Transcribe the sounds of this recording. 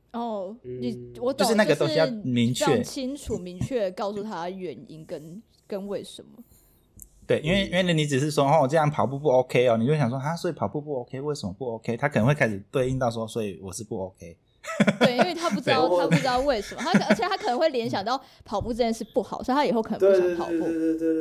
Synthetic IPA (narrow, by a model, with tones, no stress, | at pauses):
ɔ˥˩ni˨˩wɔ˨˩t͡ɕo˥ʊ˨ʂɻ̩˥˧n˥˨ɡə˨t̪o˥ɕi˧˥mi˨˧˥ŋt͡ɕʰɥɛ˥˨t͡ɕʰi˥nʈ͡ʂʰu˨˩mi˧˥ŋt͡ɕʰɥɛ˥˩kɑ˥˧ʊsu˥˩t̪ʰa˦˥ɥɛ˨˩nḭ˦nkə˦˥n | kə˦nwe˥˩ɪʂə˨˦nmə˩ | t̪we˥˩ɪʔi˥nwe˥˩ɪi˥nwe˥˩ni˨˦ni˦˥t͡sɻ̩˨˩ʂ̬ɻ̩˥˩s̬wɔ˥ɔ˥˩wɔ˨˩ʈ͡ʂɤ˥˧jɑ˥˩ŋpʰɑ˨˩ʊp̬u˥˧pu˥˩o˦ʊkʰe˥ɪɔ˨ni˨˩jo˥˩ɕjɑ˨ŋswɔ˥a˥swɔ˧˥i˨˩pʰɑ˨˩pu˥˧pu˥˩o˧˥kʰe˥˦ɪwe˥˩ɪʂə˧˦mə˦pu˥˩o˧˦ʊkʰe˥ɪt̪ʰa˥k̪ʰə˧ŋxwe˥˧kʰa˥ʂ̩˨˩t̪we˥˧i˥˧nt̪ɑ˥˩ʊs̬wɔ˦swɔ˧˥i˨˩wɔ˨˩ʂɻ̩˥˧pu˥˩o˧˥ʊkʰe˦ɪ | we˩˧˨i˥we˥˩ɪt̪ʰa˥pu˥˩ʈ͡ʂ̩e˥˩˨ʊt̪ʰa˥pu˥˩ɻ̩˧˥t̪ɑ˥˧ʊwe˥˩ɪʂə˧˦mə˩a˥ə˧˥t͡ɕʰɛ˨˩t̪ʰa˥kʰə˨˩nə˧˦ŋwe˥˩ɪljɛ˧˥nɕjɑ˨ŋt̪ɑ˥˩ʊpʰɑ˨˩ʊpu˥˧ʈ͡ʂə˥˩˥nʂɻ̩˥˧pu˥˩xɑ˨˩˦ʊsa˥˧˨t̪ʰa˥i˨˩xo˥˩ʊkʰə˨˩nə˦˧we˥˧˥e˥˧e˥˧